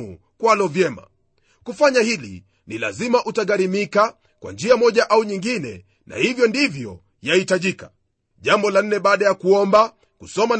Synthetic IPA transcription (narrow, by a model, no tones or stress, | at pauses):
ṵ | kwalɔvjɛma̰ | kufaɲahilḭ | nila̰zimaʔutaɠaɾimika | kwa̰nd͡ʒiamɔʄaʔauɲiŋɡinɛ̰ | na̰hivjɔndivjɔ | jahitaʄika | ʄambɔlan̩ːɛɓaːɗajakuɔmba | kusɔman